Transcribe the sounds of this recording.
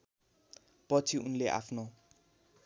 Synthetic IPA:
pɔtʰiun̩leʔa̰fno

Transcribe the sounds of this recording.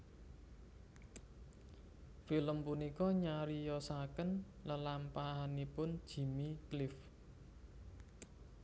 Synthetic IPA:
filəmpunikɔɲaɾijɔsakənləlampaɦanipʊnd̥ʒ̥i̤miklɪf

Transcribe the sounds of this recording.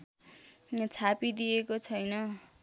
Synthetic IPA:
t͡sʰapid̪iekot͡sʰʌjnʌ

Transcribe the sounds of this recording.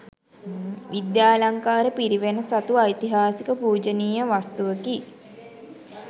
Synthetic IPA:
ʋid̪jaːlaŋkaːɾəpiɾiʋenəsat̪uajt̪iɦaːsikəpuːd͡ʒəniːjəʋast̪uʋəki

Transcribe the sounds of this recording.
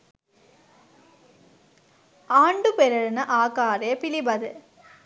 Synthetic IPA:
aːɳɖɯpɛɾɐɾɐnɐʔaːkaːɾepɪlibɐðɯ

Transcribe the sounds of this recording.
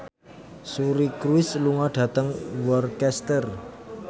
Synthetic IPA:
suɾikɾuɪsluŋaɖ̥ä̤t̪əŋwɔrkɛst̪ər

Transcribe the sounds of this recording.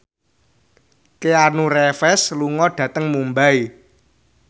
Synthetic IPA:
keanurɛfɛsluŋɔɖ̥ä̤t̪əŋmumbai

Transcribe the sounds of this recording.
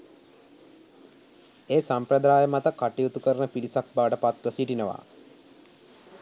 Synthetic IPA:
eːsampɾəd̪aːjəmat̪əkaʈijut̪ukəɾənəpilisak̚baːɖəpat̪ʋəsiʈinəʋa̰

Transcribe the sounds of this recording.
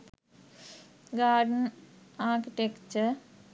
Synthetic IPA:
ɡaːɖən | aːkiʈekt͡ʃɐ

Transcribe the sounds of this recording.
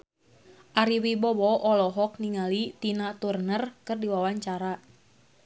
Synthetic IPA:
ʔaɾiwibɔbɔʔɔlɔɦɔk̚niŋalit̪inat̪urnərkɨrdiwawaɲt͡ʃaɾa

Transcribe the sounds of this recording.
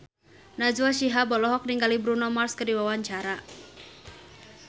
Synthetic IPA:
nad͡ʒwaʃiɦabɔlɔɦɔk̚niŋɡalibɾunɔmarskərdiwawaɲt͡ʃaɾa

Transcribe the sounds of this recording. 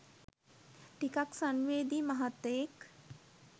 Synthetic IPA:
ʈikɐksɐnʋeːd̪ʱimɐɦɐt̪eːk

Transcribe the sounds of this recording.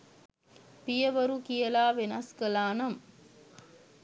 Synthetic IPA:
pijəʋɐɾukijɐlaːʋenɐskəlaːnɐm

